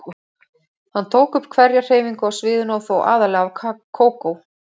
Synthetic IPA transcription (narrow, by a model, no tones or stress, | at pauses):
hant̪ʰoːwkʏpːkʰvɛɾjar̥eːjviŋkʏawsvɪːðʏnawθowʔa̰ːðalɛːɣakʰːoːwkow